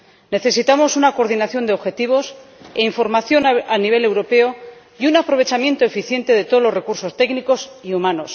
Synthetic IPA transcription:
ne̞θe̞sit̪amo̞sunako̞ɾðinaθjo̞nd̪eo̞βxe̞t̪iβ̞o̞seiɱfo̞ɾmaθjonaniβ̞e̞le̞wɾo̞pe̞o̞ | iunapɾo̞β̞e̞t͡ʃamjẽ̞nt̪o̞e̞fiθje̞nt̪e̞ðe̞t̪olo̞re̞kuɾso̞st̪e̞kniko̞siumãno̞s

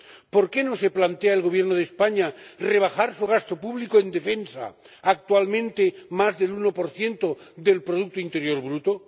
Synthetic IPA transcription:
po̞ɾke̞nose̞plant̪eaelɣo̞β̞jenoð̞espaɲare̞β̞axaɾsuɣ̞ast̪o̞puβlikoe̞nd̪e̞fe̞nsa̰ | ak̚t̪ualmẽ̞nt̪emazðe̞lunopo̞ɾθje̞nt̪oðe̞lpɾoð̞uk̚t̪oint̪e̞ɾjo̞ɾβɾut̪o

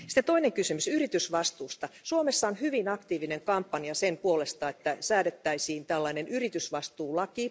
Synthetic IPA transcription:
si̥t̪ːet̪o̞ineŋkysymysyrit̪ysʋɑst̪uːst̪ɑsuomesːɑonhyʋinɑkt̪iːʋineŋkɑmpːɑniɑsempuole̞st̪ɑet̪ːæsæːɾet̪ːæisiːnt̪ælːɑinenʔyrit̪ysʋɑst̪uːlɑki

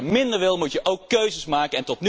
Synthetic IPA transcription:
mɪndəɹʋɪlˠmutjəʔowkːøɥzəsmaːkənɛntɔtn

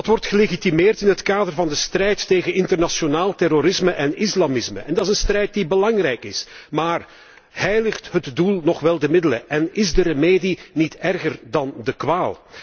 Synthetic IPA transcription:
ɑtʋɔrtxəleɣitimeːrtɪnɦətkaːdərvɑndəst̪rɛjtːeːɣənɪntərnaʃjonaːlˠtɛroɾɪsməʔɛnɪslamɪsmə̰ʔɛndɑtɪzənst̪rɛjt̚dibəlɑŋrɛjkɪsmaːr | hɛjləxtɦətdulˠnɔχʋɛlˠdəmɪdələʔɛnɪzdərəmeːdinitɛrɣərdɑndəkʋaːlˠ

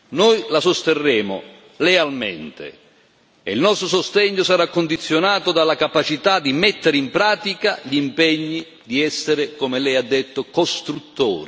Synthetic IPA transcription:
nojlasost̪erːeːmo̰ | lealmeɛ̰nt̪ḛ | ɛ̰ilnɔst̪ɾosost̪ɛɲːʊsaɾakːond̪it̪sːjonaːt̪od̪alːakapat͡ʃit̪ad̪imɛt̪ːeɾimpɾaːt̪ikaʎimpɛɲːi | d̪iɛsːeɾɪkomɪlɛjad̪ːet̪ːokost̪ɾut̪ːo̰ːɾi

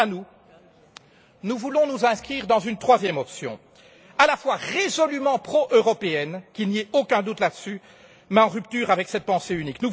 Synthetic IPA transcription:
anu | nuvulɔ̃nuzɛ̃skχiːʁd̪ɑ̃zynt̪χwazjɛmɔpsjɔ̰̃ | alafwaʁezɔlymɑ̃pχɔʔøʁɔpeɛnkʲiniɛokɛ̃d̪ut̪lad̪əsy | mɛɑ̃ʁyp̚t̪yːʁavɛksɛt̪̚pɑ̃seyniknu

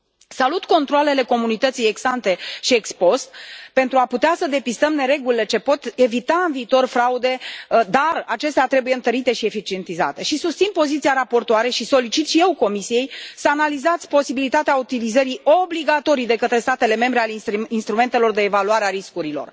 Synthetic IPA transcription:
salut̪ko̞nt̪ɾoale̞le̞ko̞munit̪ət̪sijeɡsant̪e̞ʃie̞kspo̞st̪̚pent̪ɾuaput̪easəd̪e̞pist̪əmne̞ɾe̞ɡulile̞t͡ʃe̞po̞t̪e̞vit̪aɨnviːt̪o̞rfɾaud̪e̞d̪arat͡ʃe̞st̪eat̪ɾe̞bujeɨnt̪əɾit̪e̞ʃie̞fit͡ʃie̞nt̪iza̰t̪e̞ʃisust̪sinpo̞zit̪siaɾapo̞rt̪oaɾe̞ʃiso̞lit͡ʃit̪ʃijewko̞misije̞jsəanalizat̪sʲpo̞sibilit̪at̪eaut̪ilizəɾio̞bliɡat̪o̞ɾijd̪e̞kət̪ɾe̞st̪at̪e̞le̞me̞mbɾealeiinst̪ɾume̞nt̪e̞lo̞rd̪e̞ːvaluaɾeaɾiskuɾilo̞̰r

